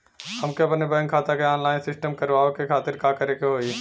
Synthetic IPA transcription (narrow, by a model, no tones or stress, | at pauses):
hɐmkeɐpnebɛ̃ːŋkʰːaːt̪akeaːnlaːɪnsɪsʈəmkəɾʋaːokekʰaːt̪ɪɾkakəɾekeɦoːi